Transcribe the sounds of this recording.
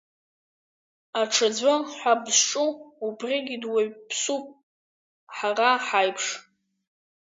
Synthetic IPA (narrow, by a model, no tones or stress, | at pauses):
aʈ͡ʂʰad͡zʷanħʷabzʈ͡ʂʼuubrʲiɡʲidwepʰsupʼ | ħaraħajpʰʂ